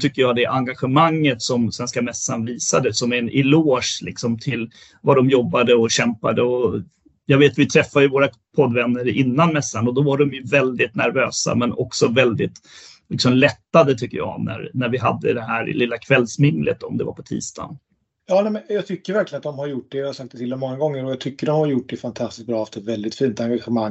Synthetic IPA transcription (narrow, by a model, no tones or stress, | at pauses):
t̪ʰʏkːəjɑːd̪ɛʔaŋɡaɧəmaŋːət̪sɔmsvɛnskamɛsːanviːsad̪əsɔmɛɪloːʂlɪ̰ksɔmt̪ʰɪl | vaɖɔmjɔbːad̪əɔɕɛmpad̪əɔ | jɑɡveːt̪vɪt̪ʰɾɛfːad̪jɵvoːɾa | pʰɔd̪vɛnːəɾɪnːanmɛsːanɔd̪ɔvaɖɔmjɵvɛld̪ɪt̪næɾvøːsa̰mɛnɔ̰ksɔvɛld̪ɪt̪ | lɪksɔmlɛt̪ːad̪ət̪ʰʏkːəjɑ̰ːnæ̰ɾnæɾvɪɦa̰d̪ːə̰d̪ɛɦæːɾlɪlːakʰvɛlːsmɪnlə̰t̪ːɔ̰md̪ɛ̰va̰ɾpʰɔ̥t̪ʰḭːst̪ʰɑ̰n | jɑːnɛmɛnjɑɡt̪ʰʏkːəɾvæɾklɪənat̪d̪ɔmhaɾjʊʈ̚ɖɛvɪhaɾsak̚t̪ɛt̪ʰɪld̪ɛmɔŋːaɡɔŋːəɾɔjat̪ʰʏkːəɖɔmhaɾjʊʈ̚ɖɛfant̪ʰast̪ɪ̥sk̪̚bɾɑːɛft̪əɛt̪vɛld̪ɪt̪fiːnt̪aŋɡaɧəmaŋ